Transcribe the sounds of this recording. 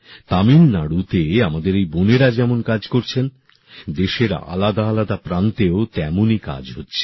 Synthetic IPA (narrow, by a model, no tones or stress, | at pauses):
t̪aminːaɽut̪eamad̪eɾejboneɾad͡ʑɛmonkad͡ʑkoɾt͡ɕʰen | d̪eʃeɾa̰ʔa̰lad̪aalad̪apɾant̪eot̪ɛmonika̰d͡ʑɦotːɕʰe̥